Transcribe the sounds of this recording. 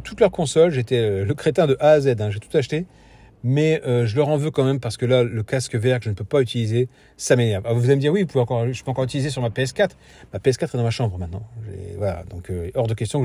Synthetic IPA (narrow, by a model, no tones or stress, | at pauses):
t̪ut̪lœʁkɔ̃sɔlʒet̪ɛøləkχet̪ɛ̃d̪əʔaːzɛd̪ɛ̃ʒet̪u̥t̪aʃt̪e | mɛøʒəlœʁɑ̃vøkɑ̃mɛmpaʁsə̥kəlaləkaskəvɛʁkəʒənəpøpayt̪ilize | samenɛʁvavuvuzaleməd̪iʁwivupuveɑ̃kɔʁʒəpøɑ̃kɔʁyt̪ilizes̬yʁmapeɛskat̪χ | mapeɛskat̪χɛd̪ɑ̃maʃɑ̃bʁəmɛ̃t̪nɑ̃ʒɛ̰vwala̰d̪ɔ̃køʔɔʁd̪əkʲɛst̪jɔ̃k